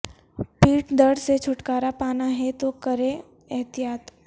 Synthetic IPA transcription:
piːʈd̪əɾɽset͡ʃʰʊʈkaːɾapaːnaɦɛt̪okɐɾẽ | ɐɦt̪ijaːt̪

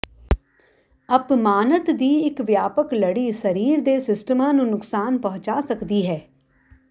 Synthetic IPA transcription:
əpmaːnət̪d̪iːɪkʋjaːpəkləɽiːsəɾiːɾd̪eːsɪsʈəmãːnũːnʊksaːnpɔɦʊ̃t͡ʃaːsəkd̪iːɦɛː

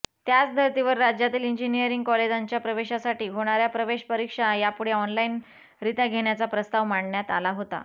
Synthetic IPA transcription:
t̪jat͡sd̪ʱəɾt̪iʋəɾːad͡ʑjat̪iːliɲd͡ʑinijəɾiŋɡ̚kɔled͡zaɲt͡ɕjapɾəʋeɕasaʈiːɦoɽ̃aɾjapɾəʋeɕpəɾikʂajapuɽ̤eɔnlain | ɾit̪aɡʱeɽ̃jat͡sapɾəst̪aʋmaɳːjat̪a̰laɦot̪a̰

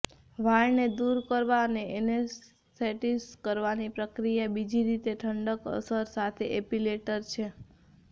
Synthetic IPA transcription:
ʋajned̪uɾkəɾʋaəneenes | teʈiskəɾʋanipɾəkɾijabid͡ʒiɾit̪eʈʰəɳɖəkə̰səɾsat̪ʰeʔepileʈəɾt͡ʃʰe

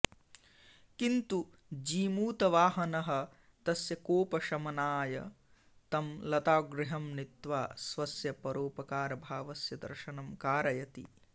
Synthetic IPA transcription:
kint̪u | d͡ʒiːmuːt̪ɐʋaːɦɐnɐɦɐ̆ | t̪ɐsjɐkoːpɐʃɐmɐnaːjɐ̰ | t̪ɐmlɐt̪aːɡɾɪɦɐmnit̪ʋaːsʋɐsjɐpɐɾoːpɐkaːɾɐbʱaːʋɐsjɐd̪ɐ̰ɾʃɐnɐmkaːɾɐjɐt̪ḭ

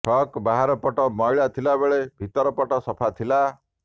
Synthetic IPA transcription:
pʰɔkbaɦaɾɔpɔʈɔmɔjɭat̪ʰilabeɭebʱit̪ɔɾɔpɔʈɔsɔpʰat̪ʰila

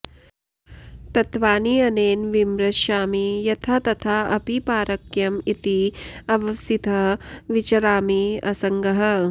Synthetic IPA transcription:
t̪ɐt̪ʋaːniɐneːnʋimɾɐʃaːmijɐt̪ʰat̪ɐt̪ʰaːɐpipaːɾɐkjɐmit̪iɐʋɐsit̪ɐʋit͡ʃɐɾaːmiɐ̰sɐŋɡɐɦɐ

